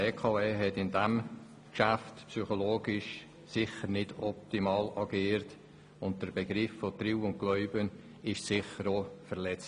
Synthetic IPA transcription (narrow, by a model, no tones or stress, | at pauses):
eːkʰɑːeːɦɛtɪndɛm | kʃaftpsyχoloːɡɪʃ | sɪχəɾnɪdɔp̚timɑːlɑɡiːɾt | ʊnt̚d̥əɾb̥eɡɾɪfːɔtriwʊnt̚ɡ̥lœʏbən | ɪʃsɪχəɾoːfəɾlɛt͡s